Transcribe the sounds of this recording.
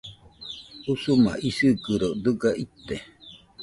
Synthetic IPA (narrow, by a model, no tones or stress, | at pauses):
usumã̰ʔisɨkɨɾod̪ɨɡaʔit̪ːe